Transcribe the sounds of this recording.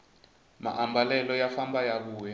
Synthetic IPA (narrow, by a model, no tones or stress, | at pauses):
ma̰ʔambalɛlɔjafambajaβuːjɛ